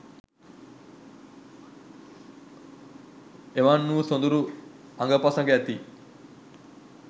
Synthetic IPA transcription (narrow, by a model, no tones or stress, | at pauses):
eʋanːuːsond̪uɾu | aŋɡɐpasɐŋɡeæt̪i